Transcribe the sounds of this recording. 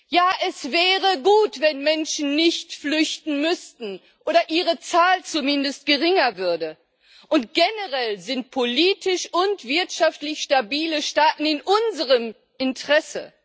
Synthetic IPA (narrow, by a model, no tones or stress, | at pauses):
jaːʔɛsvɛːʁəɡuːtv̥ɛnmɛnʃn̩nɪçtflʏçtn̩mʏstn̩ | ʔoːɾɐʔiːʁ̞ət͡saːlt͡sumɪndəst̚ɡ̥əʁɪŋɐvʏɐdə | ʔʊntɡ̥enəʁɛlzɪnt̚pʰoliːtɪʃʊntv̥ɪɐtʃaftlɪçʃtabiːləʃtaːtn̩ɪnʔʊnzəʁəm | ʔɪntʁ̥ɛsə̰